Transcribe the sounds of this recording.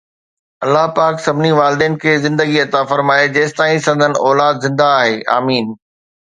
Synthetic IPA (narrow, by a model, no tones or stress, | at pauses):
ɐlːaɦpaːksɐbʱniʋaːld̪eːnkʰeːzɪ̃nd̪əɡiɐt̪afɐɾmaːed͡ʑeːsɪ̥t̪aːĩsɐ̃nd̪ʱənɪ̆ʔɔːlaːd̪zɪ̃nd̪aːɦeːʔa̰ːmiːn